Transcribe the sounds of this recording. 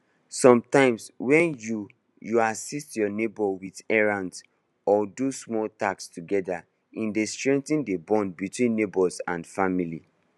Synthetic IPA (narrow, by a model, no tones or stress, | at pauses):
sɔ̃mtãɪ̃mswɛ̃nju | juasistjɔnebɔwidɛɹãnds | ɔdusmɔltakstuɡɛda | ĩndestɹɛ̃ntĩndebɔ̃nbitwĩnːebɔsã̰ndfamili